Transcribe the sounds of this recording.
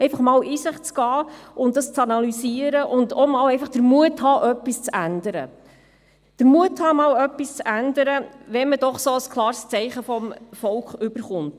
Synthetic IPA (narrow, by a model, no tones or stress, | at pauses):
ɛɪfɑχmɑːliːsɪχt͡sɡ̥ɑːʔʊntdɑst͡sɑnɑlysiəɾəʔʊndɔmɑːwɛɪfɑχd̥əɾmuəthɑːʔœpːist͡sænd̥əɾə | d̥əɾmuəthɑːmɑːlœpːist͡sændəɾəʋɛnməd̥ɔχsoːəskʰlˠɑːɾst͡sɛɪχəfɔmfɔlkχʏb̥əɾχʊnt